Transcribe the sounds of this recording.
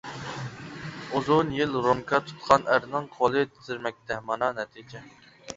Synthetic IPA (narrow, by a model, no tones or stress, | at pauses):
uzunjilɾomkʰɑt̪ʰu̥t̪qʰɑnæɾnɪŋqʰolˠɨt̪ʰɪzɪɾmɛk̚ʲt̪ʰɛmɑnɑnɛt̪ʰid͡ʒɛ